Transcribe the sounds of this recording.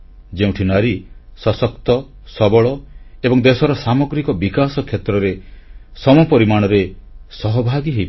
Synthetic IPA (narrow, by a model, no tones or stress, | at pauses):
d͡ʒeũʈʰinaɾisɔsɔkt̪ɔ | sɔbɔɭɔebɔŋd̪esɔɾɔsamoɡɾikɔbikasɔkʰjet̪ɾɔɾesɔmɔpɔɾimaɽ̃ɔɾesɔɦɔbʱaɡiɦej